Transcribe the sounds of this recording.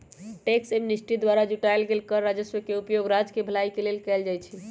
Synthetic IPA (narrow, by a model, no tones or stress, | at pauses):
ʈeksemnisʈɾid̪waɾad͡ʒuʈajlɡelkəɾːad͡ʒəswəkeupjoɡɾad͡ʒkebʱəlajkelelkɛld͡ʒajt͡ʃʰi